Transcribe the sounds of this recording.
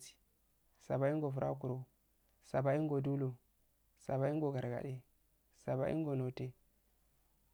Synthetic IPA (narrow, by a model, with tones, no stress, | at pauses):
si̥˨ | sa˨ba˨˦i˦ŋɡo˨fu˨ɾʔa̰˦k̬u˨ɾo˨ | sa˨ba˨i˦ɡo˨du˦lo˨ | sa˨ba˨i˦ŋɡo˨ɡa˨ɾɡa̰˨ɗe˦ | sa˨ba˨ʔḭ˦ŋɡo˨no˨te˦